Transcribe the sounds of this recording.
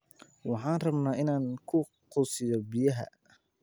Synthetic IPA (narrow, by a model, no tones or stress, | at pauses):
wɑħɑːnrɐbnaːʔɪnaːŋkʰʊ | qʊsɪjɔbɪjɐɦɐ̰